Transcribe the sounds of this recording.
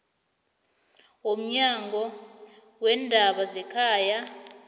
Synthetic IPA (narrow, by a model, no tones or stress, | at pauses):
om̩ɲaŋɡʱɔ | wɛndʱaɓazɛkʰaːja